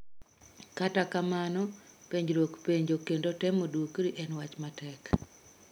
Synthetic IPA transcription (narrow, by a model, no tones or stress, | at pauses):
katakamanɔpeɲd͡ʒɾokpeɲd͡ʒokendotɛmodukɾiʔɛnwat͡ʃmatɛk